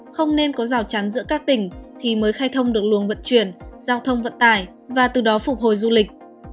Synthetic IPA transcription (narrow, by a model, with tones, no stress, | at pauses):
xə˧wŋ͡mne˧nkɔ˨˦zaː˧˩wt͡ɕa˨˦nzɨ̰˧˥kaː˦˥k̚t̪ï˧˩ŋ̟t̪ʰi˨˩məː˨˦jxaː˧jt̪ʰə˧wŋ͡mɗɨ˨˩ək̚lu˨˦əŋvə̰˧˨nt͡ɕwi˧˩ənzaː˧wt̪ʰə˧wŋ͡mvə̰˧˨nt̪aː˧˩j | vaː˨˩t̪ɨ˨˩ɗɔ˨˦fʊ˨˩k͡p̚ho˨˩jzu˧lï˨˩k̟̚